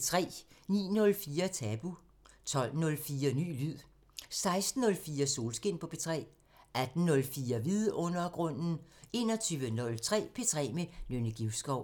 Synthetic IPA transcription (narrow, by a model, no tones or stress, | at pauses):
t͡sʰʁɛ̰ːnḭːnɔ̽lfiːɐt͡sʰɛb̥u | t͡sʰɒ̽l̰nɔ̽lfiːɐny̰ːlyð̰ˠ | sɑ̈ɪsd̥n̩ːɔ̽lfiːɐso̝ːlsɡ̥e̝n̰pʰɒ̽pʰe̝t͡sʰʁɛ̰ː | æd̥n̩nɔ̽lfiːɐʋiðˠɔ̽n̰ɐɡ̥ʁɔ̽n̰n̩e̝ːnɐt͡sʰyːʋənɔ̽lt͡sʰʁɛ̰ːpʰe̝t͡sʰʁɛ̰ːmenønəɡ̥iʊsɡ̥ɒʊ